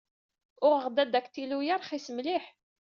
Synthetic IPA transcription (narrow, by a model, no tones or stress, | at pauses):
ʊʁəʁd̪æd̪ækt̪ilujəɾχisəmliħ